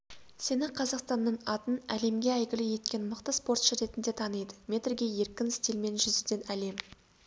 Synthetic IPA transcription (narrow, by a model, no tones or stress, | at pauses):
se̞nɪqʰɑzɑqst̪ɑnːəɴɑt̪ənæle̞mɡʲe̞æjɡʲɪlɪje̞t̪kʲe̞nməqt̪əspo̞rt̪ʃəɾe̞t̪ɪnd̪e̞t̪ʰɑnəjd̪əmʲe̞t̪rɡʲe̞je̞ɾkʲɪnst̪ilme̞nʒʏzɪd̪e̞næle̞m